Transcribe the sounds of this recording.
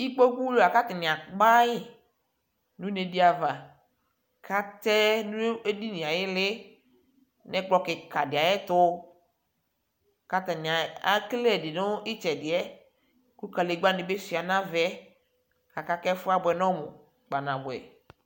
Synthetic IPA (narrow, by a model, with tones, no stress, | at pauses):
i˦k͡pɔ˦ɡ͡bu˦lo˦˨a˨ka˦t̪ɪ˨nɪ̃˨a˨k͡pa˦jɪ˦ | nũ˦ne˨di˦a˨va˨ | kʰa˦t̪ɛ˦nũ˦e˦di˦nĩ˨a˨jɪ˦lɪ˦ | nɛ̃˦k͡pɔ˦kɪ˨ka˨dɪ˨a˨jɛ˦tʊ˦˨ | ka˦t̪ɛ˨nɪ̃˨a˨a˦klɛ˦˨dɪ˨nʊ˦ɪ˦t͡ʃɛ˨dɪ˨ɛ˦ | ku˦ka˨le˨ɡ͡ba˦nɪ˨be˦si˨a˨nã˦vɛ˦ | ka˨ka˦kɛ˦fʊ˦a˦bʊ˨ɛ˨nɔ̃˦mʊ̰˨ | k͡pa˨nã˨bʊ˨ɛ̰˨